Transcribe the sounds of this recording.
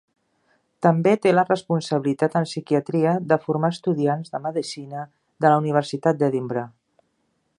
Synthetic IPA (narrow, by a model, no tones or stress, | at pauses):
t̪əmbet̪elərəspunsəβilit̪at̪ənsikiət̪ɾiəðəfuɾmaəst̪uðianzðəməðisinə | ðələuniβ̞ərsit̪at̪̚d̪əðimbɾə